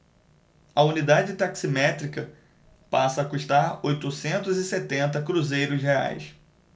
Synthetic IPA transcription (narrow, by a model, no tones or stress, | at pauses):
ɐunid̪ad͡ʒɪt̪aksimɛt̪ɾikɐ | pasɐːkuʃt̪aɾojt̪ʊsẽnt̪ʊzɪset̪ẽnt̪ɐkɾuzejɾʊzɦea̰js